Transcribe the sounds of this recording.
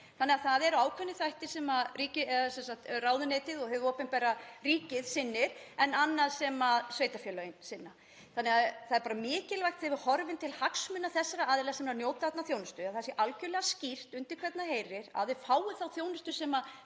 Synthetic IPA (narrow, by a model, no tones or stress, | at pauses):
θanːɛɣaθaðɛɾaːwkʰvœnːɪθajht̪ɪ̥sɛmariːcɪɛsɛnsak̚t̪raːwðʏneːjt̪ɪðɔɦɛvʏɔpɪnmpɛɾariːcɪðsɪnːɪɾ̥ɛnanːaðsɛmasveːjt̪afjœlœɪnsɪnːa | θanːɛɣaθaðɛɾpaːɾamɪːcɪlvajxt̪hɛvʏɾhɔɾvɪnt̪ʰɪlhaksmʏnːaθɛsːaɾaaːðɪlɛɣasɛmnanjoːwt̪at̪naθjoːwnʏst̪ʏaθasjɛʔalcœlɛɣascir̥t̪ʏnt̪ɪɾ̥kʰvɛt̪naheːjrɪɾa̰ðɪ̥faːwʏθawθjownɪst̪ʏsɛma